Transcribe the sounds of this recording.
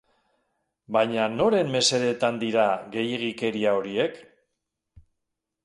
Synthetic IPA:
bajɲano̞ɾe̞mːe̞se̞ɾe̞t̪and̪iɾaɣe̞jeɣike̞ɾiao̞ɾie̞k

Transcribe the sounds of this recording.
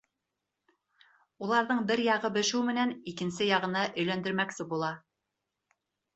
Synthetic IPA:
ulˠɑɾðɤɴbɘɾjɑʁɤbɘ̆ʃɘwmɘ̆nænikɘ̆nsɘjɑʁɤ̆nɑʔɵ̆jlænd̪ɘ̆ɾmæksɘbulˠɑ

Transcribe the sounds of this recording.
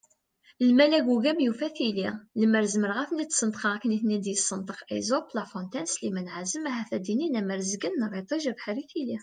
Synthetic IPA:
lmælæɡuɡæbjufæθililəməɾzəməɾʁæθnit̪ːsˤənt̪ˤqɑʁkːniθnid̪jəsˤːənt̪ˤəqḛzoplɑfõnt̪ænslimænʕazəmæɦæθæd̪ininæməɾzəɡənːərˤet̪ˤɑʒævħaɾiθili

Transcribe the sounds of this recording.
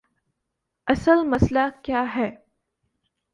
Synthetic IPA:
ɐsəlmɐslakjaːɦɛː

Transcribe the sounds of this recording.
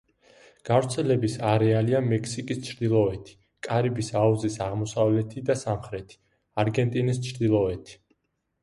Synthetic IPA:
ɡ̥avɾt̪sʰɛlɛbisaɾɛaliamɛkʰsikʼist͡ʃʰɾd̪ilˠɔɛt̪ʰi̥ | kʼaɾibisauzisaʁmɔsavlɛt̪ʰid̪asamχɾɛt̪ʰi̥ | aɾɡɛnt̪ʼinist͡ʃʰɾd̪ilˠɔɛt̪ʰi̥

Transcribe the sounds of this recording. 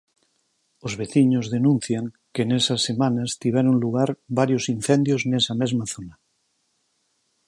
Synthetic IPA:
ozβeθiɲozðenũn̟θjaŋ | kenesasːemãnast̪iβ̞ɛɾoŋluɣ̞aɾβaɾjosinθend̪joznesamezmaθona

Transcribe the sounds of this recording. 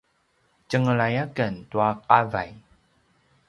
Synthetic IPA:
t͡ɕəŋəɭajakəntuaqava̰j

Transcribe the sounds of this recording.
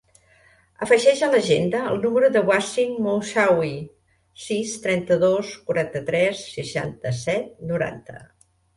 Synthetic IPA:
əfəʒɛʒələʒend̪əəlˠnuməɾuðəβwasiŋmosawi | sist̪ɾɛnt̪əðoskuɾant̪ət̪ɾɛsːəʃa̰nt̪əsɛt̪̚nuɾa̰nt̪ə̰

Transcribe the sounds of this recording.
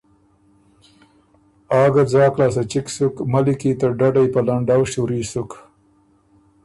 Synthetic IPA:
ɑːɡad͡zɑːklas̬at͡ʃiksukmalikit̪aɖaɖajpalaɳɖawʃuɾisuk

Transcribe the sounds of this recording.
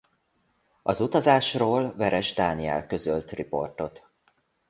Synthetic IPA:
ɒzut̪ɒzaːʃroːlvɛɾɛʒd̪aːniɛ̰lkø̞zølt̪ripo̞̰rt̪o̞t̪

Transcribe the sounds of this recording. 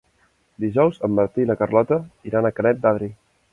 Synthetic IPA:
d̪iʒɔwzəmːəɾt̪iləkərlɔt̪əiɾanəkənɛt̪̚d̪aðɾi

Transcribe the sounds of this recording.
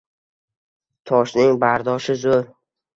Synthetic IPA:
t̪ʰɒʃnɪŋbaɾd̪ɒʃɪzoɾ

